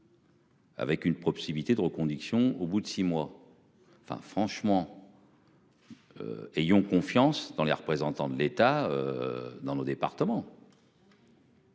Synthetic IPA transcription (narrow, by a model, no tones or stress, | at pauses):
a̰vɛkynpχɔsimilt̪ed̪əʁəkɔ̃d̪iksjɔ̃obud̪əsimwa | ɑ̃fɛ̰̃fχɑ̃ʃmɑ̃ | ø̰ɛjɔ̃kɔ̃fjɑ̃sd̪ɑ̃leʁəpχezɑ̃t̪ɑ̃d̪əlet̪aø̰d̪ɑ̃nod̪epa̰ʁt̪əmɑ̃